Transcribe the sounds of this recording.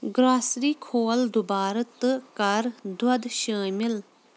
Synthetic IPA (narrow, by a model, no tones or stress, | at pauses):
ɡɾaːsɾiːkʰoːld̪ubaːɾɐt̪ɨkɐɾd̪wɐd̪ʃaːmil